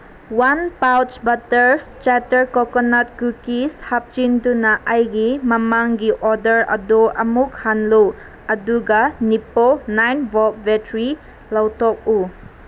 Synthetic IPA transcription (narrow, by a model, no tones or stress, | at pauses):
wanpawt͡ʃbatəɾt͡ʃatəɾkɔkɔnat̚kukishap̚t͡ʃindunaʔajɡimɐmaŋɡiʔɔdəɾɐ̰doʔɐmukhanlow | ɐduɡaniponajnbɔp̚betɾi | lawtɔk̚u